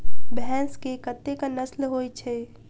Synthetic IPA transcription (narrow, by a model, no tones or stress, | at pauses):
bɛ̃nskekət̪ːekanəslɦoːit͡ʃʰɛ